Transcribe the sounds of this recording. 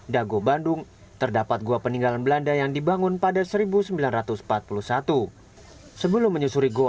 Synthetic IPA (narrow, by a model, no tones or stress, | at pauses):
daɡobandʊŋ | t̪ərdapat̪̚ɡuapəniŋɡalanbəlandajaŋdibaŋʊnpadasəɾibusəmbilanrat̪ʊsmpat̪̚pulusat̪u | səbəlʊmːəɲusuɾiɡo